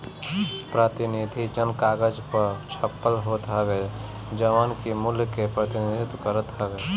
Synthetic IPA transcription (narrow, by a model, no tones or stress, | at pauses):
pɾət̪ɪnid̪ʱid͡ʒənkaːɡəd͡ʒpəɾt͡ʃʰəpːəlɦoːt̪ɦəɡe | d͡ʒəʋaːnkimʊljkepɾət̪ɪnid̪ʱɪt̪kəɾət̪ɦəʋe